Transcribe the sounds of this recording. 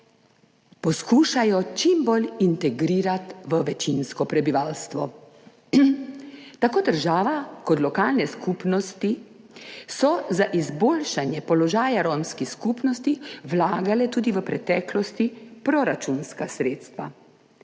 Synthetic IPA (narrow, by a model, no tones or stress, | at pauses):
pɔskuːʃajɔt͡ʃimbolint̪ɛɡɾiːɾat̪ʋəʋɛt͡ʃinskɔpɾɛbiʋaːlst̪ʋɔ | t̪akoːd̪əɾʒaːʋakɔt̪lɔkaːlnɛskuːpnɔst̪i | sɔzaʔizboːlʃanjɛpɔlɔʒaːjaɾomskixskupnɔst̪iʋlaːɡalɛt̪uːd̪iʋəpɾɛt̪ɛːklɔst̪ipɾɔɾat͡ʃunskasɾeːt̪st̪ʋa